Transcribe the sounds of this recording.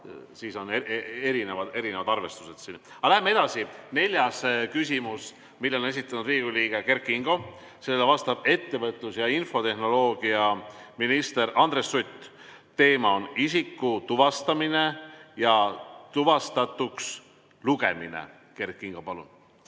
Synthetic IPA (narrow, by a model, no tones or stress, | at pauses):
siːso̞neeɾinevɑd̪e̞ɾinevɑd̪ɑrve̞st̪use̞d̪̥sin | ɑlæɦemːee̞d̪̥ɑsine̞lʲjɑskys̬ʲimus | milːeone̞s̬it̪ˑːɑnud̪riːɡ̥uliːɡ̥e̞ke̞rkːˑiŋɡ̥o̞ | se̞lelːevɑst̪ɑb̥e̞t̪ːe̞vɤt̪ˑlusjɑinfo̞t̪e̞hno̞lo̞ːɡ̥iɑminist̪e̞ɾɑnd̪ɾe̞sryt̪ːˑ | t̪e̞ːmɑo̞nisikːut̪uvɑst̪ɑmine̞jɑt̪uvɑst̪ɑt̪ːˑuks | luɡ̥e̞minḛ | ke̞rkˑːiŋɡ̥opɑlṵn